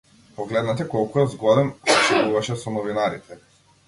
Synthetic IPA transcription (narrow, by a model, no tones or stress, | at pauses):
pɔɡlɛd̪nat̪ɛkɔlˠkujɔzɡˠɔd̪ɛnɔt͡ʃɛvuvaʃɛsɔnɔvinaɾit̪ʰɛ